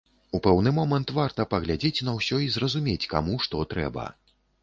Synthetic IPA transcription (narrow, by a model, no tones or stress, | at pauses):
upɛwnɨmɔmɐnt̪vart̪ɐpɐɣlʲad͡zʲet͡sʲnɐwsʲɔizrɐzumʲet͡sʲka̰muʂt̪ɔt̪ɾɛ̰bɐ̰